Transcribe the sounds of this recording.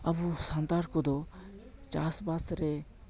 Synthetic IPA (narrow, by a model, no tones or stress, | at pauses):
ɐbusant̪aɾkɔd̪ɔt͡ʃasbasɾɛ